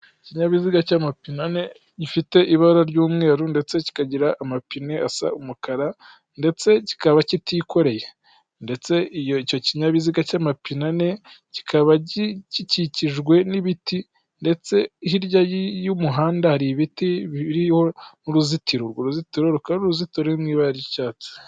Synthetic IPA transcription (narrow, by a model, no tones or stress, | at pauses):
ciɲaβiziɡacaːmapinane̞ | ɟifite̞ʔiβaɾaɾɟuːmŋe̞ːɾunde̞t͡se̞ci̥kaɟiɾaʔamapine̞asa̰umukaɾa | nde̞t͡se̞ci̥kaβacitiko̞ɾe̞je | nde̞t͡se̞ijoico̞ciɲaβiziɡacaːmapinane̞ | ci̥kʰaβaɟiciciciʒɡwe̞niβiti | nde̞t͡se̞ɦiɾɟajijumuɦaːndahaɾiβitiβiɾiho̞nuɾuzitiɾoɾɡoɾuzitiɾo̞ɾukauɾuzitoɾemŋiːβaɾaɾɟicaːt͡si̥